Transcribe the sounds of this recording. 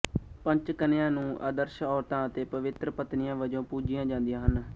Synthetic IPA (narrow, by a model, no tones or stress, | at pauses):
pə̃ɲt͡ʃkənejãːnũːʔə̰ːd̪əɾʃɔːɾt̪ãːət̪eːpəʋɪt̪ɾəpət̪nɪjãːʋəd͡ʒõːpuːd͡ʒɪjãːd͡ʒãːnd̪ijãːɦən